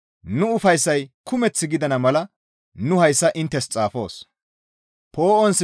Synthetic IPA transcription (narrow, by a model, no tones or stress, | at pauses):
nʊʊfɐjsːɐjkʰʊmɛt͡sːɪɡɪd̪ɐnɐmɐlɐ | nʊhɐjsːɐʔɪnt̪ːɛst͡sʼaːfo̞̰ːs | po̞ːʔɔnsɪ